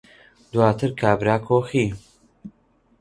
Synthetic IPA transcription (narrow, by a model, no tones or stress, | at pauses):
d̪waːt̪ʰɨɾkʰaːbɾaːkʰoːxiː